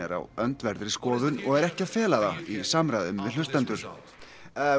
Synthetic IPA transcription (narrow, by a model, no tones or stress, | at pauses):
ɛ̰ɾa̰wœnt̪vɛɾðɪɾiskɔːðʏnɔɣɛɾɛhcɪavfɛːlaðaisamɾajðʏmːɛðl̥ʏst̪ɛnt̪ʏɾ̥